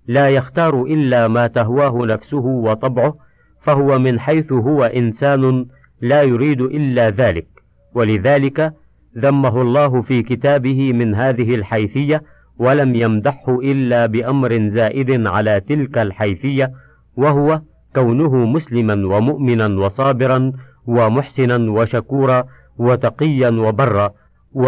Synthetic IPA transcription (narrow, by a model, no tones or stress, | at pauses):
laːjaxt̪ɑːɾˤʊʔɪlːaːmaːt̪aɦwaːɦʊnafsʊɦʊwɑt̪ˤɑbʕʊh | faɦʊwamɪnħajθʊɦʊwaʔɪnsaːnʊ | laːjʊɾiːd̪ʔɪlːaːðaːlɪk̚ | walɪðaːlɪka | ðamːaɦʊɑlˤːɑːɦʊfiːkɪt̪aːbɪhɪmɪnɦaːðɪɦɪlħajfɪjːa | walamjamd̪aħhʊʔɪlːaːbɪʔamɾɪnzaːʔɪd̪ʕalaːt̪ɪlkalħajfɪjːa | wahʊwa | kawnʊɦʊmʊslɪmanwamʊʔmɪnanwɑsˤɑːbɪɾˤɑn | wamʊħsɪnanwaʃakuːɾˤɑ | wat̪ɑqɨjːanwabɑrˤːɑː